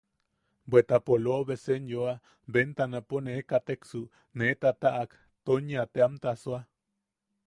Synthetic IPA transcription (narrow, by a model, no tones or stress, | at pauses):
bwet̪apoloβesenjoa | bent̪anaponekat̪eksu | net̪at̪aʔak | t̪oɲat̪eamt̪aswa